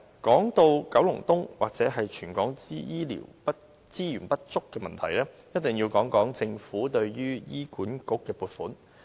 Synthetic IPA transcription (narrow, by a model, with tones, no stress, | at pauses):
kɔː˨˥ŋt̪o˧wkɐ˨˥wlʊ˨˩ŋt̪ʊ˥ŋwaː˨k̚t͡sɛː˨˥ɦɐ˨jt͡ʃʰyː˨˩nkɔː˨˥ŋi˥jiː˥lḭː˨˩wpɐ˥ | t͡siː˥jyː˨˩npɐ˥t̚t͡sʊ˥kːɛː˧mɐ˨nt̪ʰɐ˨˩jlɛː˥jɐ˥t̚t̪ɪ˨˩ŋjiː˧wkɔː˨˥ŋkɔː˨˥ŋt͡sɪ˧ŋfuː˨˥t̪ɵ˧ɥjyː˥jiː˥kuː˨˥nkʊ˥kːɛː˧puː˧tfuː˨˥n